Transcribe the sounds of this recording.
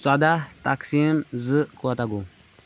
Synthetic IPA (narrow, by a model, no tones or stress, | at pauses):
sad̪aht̪aksimzɨkuat̪aɡu